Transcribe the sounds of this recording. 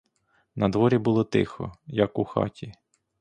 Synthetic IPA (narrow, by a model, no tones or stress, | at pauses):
nɐd̪ʋɔɾʲibʊlˠɔt̪ɪ̰xɔ̰jɐkuxɑ̰tʲi